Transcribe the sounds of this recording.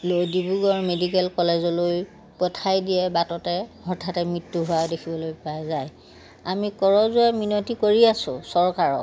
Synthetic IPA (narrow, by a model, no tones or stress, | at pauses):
lojdibuɡɔɹmedikɛlkɔlɛzɔloj | pɔtʰajdiɛbatɔtɛhɔɹtʰatɛmɹitːuɦʊwadekʰibɔlojpajzaj | amikɔɹɔzʊaminɔtikoɹiasʊ̃sɔɹkaɹɔ